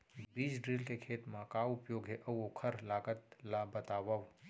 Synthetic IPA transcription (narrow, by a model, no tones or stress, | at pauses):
bɾid͡ʒɖɾilkekʰeːt̪mãkaʊpjoɡɦeʔəwokʰəɾlaːɡət̪labət̪aʋəʋ